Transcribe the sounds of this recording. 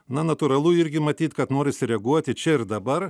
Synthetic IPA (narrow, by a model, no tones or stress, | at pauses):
nɐnɐt̪ʊɾɐlˠʊɪɾʲɡʲɪmɐt̪ʲiːt̪kɐt̪noːɾʲɪsʲɪɾʲɛɡuɔt̪ʲɪt͡ʃʲɛɪɾd̪ɐbɐɾ